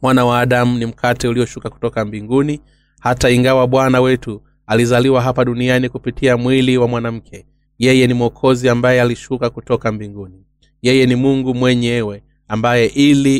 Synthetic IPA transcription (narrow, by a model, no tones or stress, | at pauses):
mwanawaːɗamunim̩kʰatɛuliɔʃukaku̥tɔkambiŋɡuni | hataiŋɡawaɓwanawɛtu | alizaliwaɦapaɗunianikupitʰiamwiliwamwanam̩kʰɛ | jɛjɛnimuɔkʰɔziambajɛaliʃukakutɔkambiŋɡuni | jɛjɛnimuŋɡumwɛɲɛwɛ | ambajɛʔili